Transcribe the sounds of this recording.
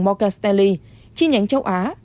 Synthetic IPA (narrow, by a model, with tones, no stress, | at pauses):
ŋmɔ˧ka˧st̪ɛ˧li˧ | t͡ɕi˧˦ɲa˨˦ŋt͡ɕə˧wʔaː˨˦